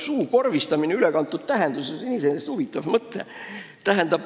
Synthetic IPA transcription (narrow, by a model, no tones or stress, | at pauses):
suːko̞rvist̪ɑmineylekɑnt̪ːˑud̪̥̚t̪æɦend̪̥usesiniseneːst̪huvit̪ːˑɑvmɤt̪ːˑe̞̰ | t̪æɦænd̪̥ɑb